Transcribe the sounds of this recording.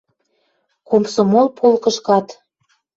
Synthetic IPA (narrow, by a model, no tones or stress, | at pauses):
komsomolpʰolkəʃkɑt̪